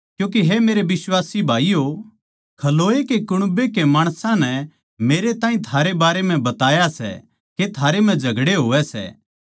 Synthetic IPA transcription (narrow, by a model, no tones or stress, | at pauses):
kjũːkeɦemeːɾebɪswaːsibʱaːijo | kʰɐloːekekʊɽ̃bekemaːɽ̃sãnɛ | meːɾet̪ãːĩt̪ʰaːɾebaːɾem̤ɛ̃bɐt̪aːjasɛ̰ | ket̪ʰaːɾem̤ɛ̃d͡ʒʱɐɡɽeɦoːʋɛsɛ̰ː